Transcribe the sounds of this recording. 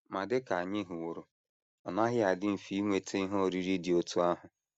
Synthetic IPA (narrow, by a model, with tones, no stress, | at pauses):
ma˨dɪ˦ka˨a˨ɲɪ˦ɦʊ˨wo˨ɾʊ˨ | ɔ˨na˦ɦɪ˦a˨dɪ˦m̩˨fi˦ŋʷe˨tʰe˦i˦ɦo˦˨ɾi˦ɾi˦dɪ˨o˦tu˦a˦ɦʊ˨